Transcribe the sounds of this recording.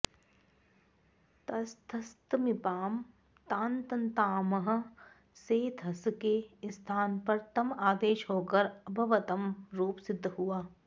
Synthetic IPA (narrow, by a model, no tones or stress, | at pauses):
t̪ɐst̪ʰɐst̪mɪpaːm | t̪ãːnt̪ɐnt̪aːmɐɦə̆ | seːt̪ʰɐskest̪ʰaːnpɐɾt̪ɐmaːd̪eːʃɦoːkɐɾɐbʱɐʋət̪ɐmɾuːpsɪd̪ʱːɦuaː